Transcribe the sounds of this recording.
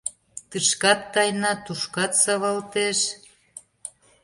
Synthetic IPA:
t̪əʃkɑt̪ːɑjnɑt̪uʃkɑt̪sɑβɑlt̪eʃ

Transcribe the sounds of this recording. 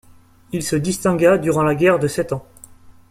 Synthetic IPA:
ilsəd̪ist̪ɛ̃ɡad̪yʁɑ̃laɡʲɛʁd̪əsɛt̪ɑ̃

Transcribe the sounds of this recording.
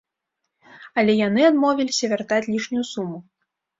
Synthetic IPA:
ɐlʲɛjan̪ɨad̪mɔvʲilʲisʲɐvʲart̪at͡sʲlʲiʂnʲujusumu

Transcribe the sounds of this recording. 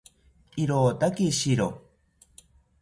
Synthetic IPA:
iɾot̪akiɕiɾo

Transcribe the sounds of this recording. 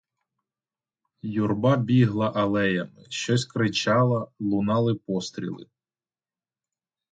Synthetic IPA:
jurbɑbʲiɦlˠɐʔɐlˠɛjɐmɪʃt͡ʃɔsʲkɾɪt͡ʃɑlˠɐlˠʊnɑlˠɪpɔst̪ɾʲḭlˠɪ̰

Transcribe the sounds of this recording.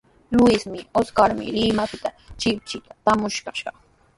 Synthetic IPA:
lʊɪsmɪoskaɾmɪ̰lɪmapɪt̪a | t͡ʃɪp̚t͡ʃɪt̪ḁt̪amʊʃkaʃɑχ

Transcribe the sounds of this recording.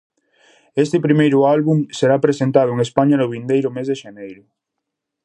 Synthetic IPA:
est̪epɾimejɾʊalβuŋseɾapɾesẽnt̪aðʊeŋespaɲanoβind̪ejɾʊmezðeʃenejɾʊ

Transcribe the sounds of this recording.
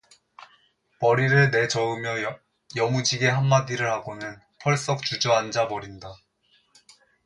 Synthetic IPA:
pʌɾiɾɯɭne̞d͡ʑʌɯmjʌ | jʌmud͡ʑiɡe̞ɦamːadiɾɯɭhaɡonɯn | pʰʌɭs͈ʌk̚t͡ɕud͡ʑʌand͡ʑabʌɾinda

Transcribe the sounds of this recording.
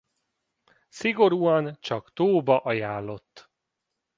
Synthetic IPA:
siɡo̞ɾuːɒnt͡ʃɒkt̪oːbɒʔɒjaːlːo̞t̪ː

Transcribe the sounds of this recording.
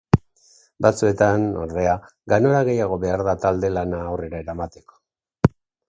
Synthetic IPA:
bat͡sue̞t̪ano̰ɾðe̞a | ɡano̞ɾaɣe̞jaɣ̞o̞βe̞aɾðat̪ald̪e̞lanaːwre̞ɾaeɾamat̪e̞̥ko̥

